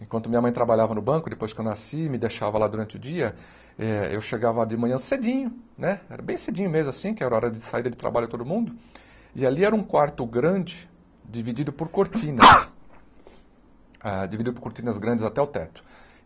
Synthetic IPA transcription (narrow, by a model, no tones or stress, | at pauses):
ẽkwɐ̃nt̪ʊmĩɲɐmɐ̃j̃t̪ɾabaʎavɐnʊbɐ̃kʊd̪epojskɪewnasimɪd̪eʃavɐlad̪uɾɐ̃nt͡ʃɪʊd͡ʒiɐ | ɛḛwʃeɡavɐd͡ʒɪmɐ̃ɲɐ̃sed͡ʒĩɲʊnɛɛɾɐbẽj̃sed͡ʒĩɲʊmezmʊasĩkɪɛɾɐɔɾɐd͡ʒɪsaid̪ɐd͡ʒɪt̪ɾa̰baʎʊt̪od̪ʊmũnd̪ʊ | ɪaliɛɾɐũkwaɾt̪ʊɡɾɐ̃d͡ʒɪ | d͡ʒivid͡ʒid̪ʊpʊɾkoɾt͡ʃĩnɐs | ad͡ʒividd͡ʒid̪ʊpʊɾkoɾt͡ʃĩnɐzɡɾɐ̃nd͡ʒɪzat̪ɛʊt̪ɛt̪ʊ̥